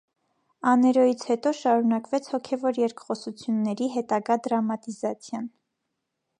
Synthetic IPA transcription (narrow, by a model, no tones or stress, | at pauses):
ɑnɛɾɔjit͡sʰhɛt̪ɔʃɑɾunɑkvɛt͡sʰhɔkʰɛvɔɾjɛɾkχɔsut͡sʰjunːɛɾiɦɛt̪ɑɡɑd̪ɾɑmɑt̪izɑt͡sʰjɑn